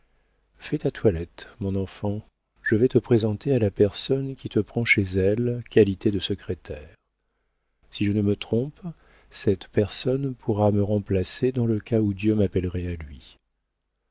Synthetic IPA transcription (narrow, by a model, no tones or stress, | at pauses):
fɛt̪at̪walɛt̪mɔ̃nɑ̃fɑ̃ | ʒ̥əvɛt̪əpχezɑ̃t̪ealapɛʁsɔnkʲit̪əpχɑ̃ʃezɛlkʲalit̪ed̪əsəkχet̪ʰɛːʁ | siʒənəmət̪χɔ̃p | sɛt̪pɛʁsɔnpʰuʁaməʁɑ̃plased̪ɑ̃ləkaud̪jømapɛlʁɛalɥi